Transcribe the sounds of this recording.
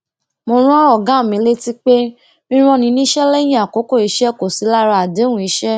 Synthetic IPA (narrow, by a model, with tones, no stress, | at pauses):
mo˧ɾ̃ã˦ɔ˦˨ɡã˨˦˨mĩ˧˦le˦ti˦k͡pe˦ | mĩ˦ɾ̃ɔ̃˦nĩ˧nĩ˦ʃɛ˦lɛ˦j̃ĩ˦˨a˨ko˨˦ko˦˨i˨˧˦ʃɛ˦ko˨si˨˦la˦ɾa˧a˨de˨˦wũ˦i˧˦ʃɛ˦